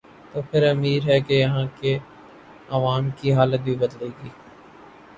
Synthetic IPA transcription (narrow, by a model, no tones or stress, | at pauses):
t̪oːpʰɪɾəmiːɾɦɛːkejɐɦãːke | əʋaːmkiɦaːlət̪̚biːbəd̪leːɡiː